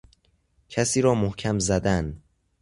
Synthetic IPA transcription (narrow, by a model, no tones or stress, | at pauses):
cʰæsiːɾɒːmohcʰæmzæd̪æn